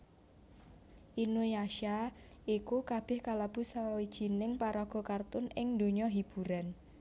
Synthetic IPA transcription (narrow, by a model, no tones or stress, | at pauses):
ʔinujaʃa | ʔikukab̥ɪhkalab̥ṳsawid̥ʒ̥i̤nɪŋpaɾɔɡ̥ɔ̤kart̪ʊnɪŋd̪o̤ɲɔɦib̥uɾan